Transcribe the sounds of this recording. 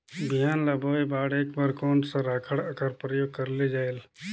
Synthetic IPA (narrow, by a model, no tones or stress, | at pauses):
bɪjaːnlɐboːebaːɽeːkbaɾkoːnsəɾaːkʰəɽkəɾpɾəjoːɡ̚kəɾled͡ʒaːel